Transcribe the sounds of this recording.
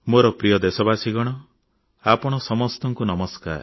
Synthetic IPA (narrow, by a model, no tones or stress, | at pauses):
moɾɔpɾijɔd̪esɔbasiɡɔɽ̃ɔ | apɔɽ̃ɔsɔmɔst̪ɔŋkunɔmɔska̰ɾ